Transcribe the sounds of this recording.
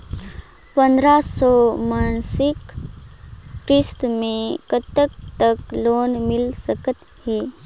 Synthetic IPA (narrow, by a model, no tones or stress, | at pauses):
pə̃nd̪ɾasɔmaːnsɪk | ɾɪst̪mẽkət̪ək̚t̪əkloːnmɪlsəkət̪ | heː